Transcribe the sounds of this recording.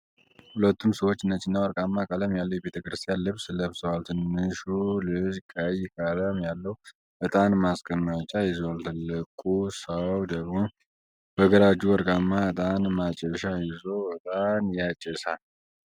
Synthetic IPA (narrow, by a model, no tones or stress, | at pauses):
hulət̪ʰːumsəwot͡ʃːɪnːət͡ʃːɨnːawəɾkʼamːakʼaləmjalːəwjɛbe̞t̪ʰəkɾɨst̪ʼijanlɨβsləβsəwalt̪ʰɨnːɨʃulɨd͡ʒkʼəjkʼələmjalːəhu | bət̪ʼanmaskʼəmːat͡ʃʼajɪzəwalt̪ʰɨlːɨkʼusəwd̪əɣmo̞ | b̥əɡəɾad͡ʒuwəɾkʼamːaət̪ʼanmat͡ʃʼɛʃajɪzəwət̪ʼanjat͡ʃʼɛsa̰l